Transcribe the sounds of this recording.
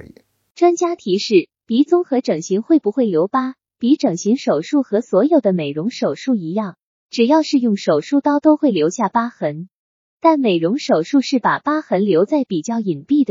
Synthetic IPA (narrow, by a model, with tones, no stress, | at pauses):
ʈ͡ʂwa˥ŋt͡ɕja˥t̪ʰi˧˥ʂɻ̩˥˩ | pi˧˥t͡sʊ˥ŋxɤ˧˥ʈ͡ʂɤ˨˩ŋɕi˧˥ŋxwe˥˩ɪpu˧˥xwe˥˩ɪljo˧˥ʊpa˥ | pi˧˥ʈ͡ʂɤ˨˩ŋɕi˧˥ŋʂo˨˩ʊʂu˥˩xɤ˧˥swɔ˧˥jo˨˩ʊd̪ə˦me˨˩ɪɻʊ˧˥ŋʂo˨˩ʊʂu˥˩i˧˥jɑ˥˩ŋ | ʈ͡ʂɻ̩˨˩jɑ˥˧ʊʂɻ̩˥˧jʊ˥˩ŋʂo˨˩ʊʂu˥˧˩t̪ɑ˥ʊt̪o˥ʊxwe˥˩ɪljo˧˥ʊɕja˥˩pa˥xə˧˥n | t̪a˥˩nme˨˩ɪɻʊ˧˥ŋʂo˨˩ʊʂu˥˧ʂɻ̩˥˩pa̰˨˩pa˥xə˧˥nljo˧˥ʊt͡sa˥˩ɪpi˨˩t͡ɕjɑ˥˩ʊi˨˩npi˥˩d̪ə˩